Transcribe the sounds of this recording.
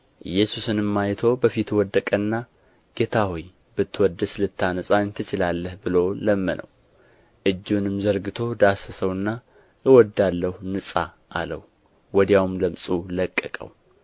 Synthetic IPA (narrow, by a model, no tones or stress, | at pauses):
ʔɨjːɛsusɨnɨmːajt̪ʰo̞bəfit̪wɔd̪ːəkʼənːa | ɡ̥e̞t̪ʰahoj | bɨt̪ʰːwɔd̪ɨslɨt̪ʰːanəsʼaɲt̪ʰɨt͡ʃɪlalːəhbɨloləmːənʔə̰w | ʔɨd͡ʒːunɨmzəɾɡɨt̪ʰo̞d̪asəsəwɨnːa | ɨwɔd̪alːəhunɨsʼa̰ | ʔalə̰w | wɔd̪jawmləmsʼuləkʼːəkʼə̰w